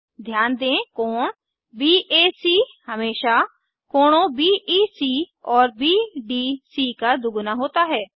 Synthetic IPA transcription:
d̪ʱjaːnd̪ẽːkoːɳ | biːʔeːsiːhəmeːʃaː | koːɳõːbiːʔiːsiːɔːɾbiːɖiːsiːkaːd̪ʊɡnaːɦoːt̪aːɦɛː

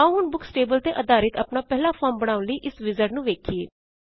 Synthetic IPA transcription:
aʊnbʊksʈeːbəlt̪eːʔəd̪aːɾɪt̪əpnaːpɛɦlaːpʰɔːɾmbəɽ̃ãːʊ̃nləiːʔɪsʋɪzəɾʈnũːʋeːkʰieː

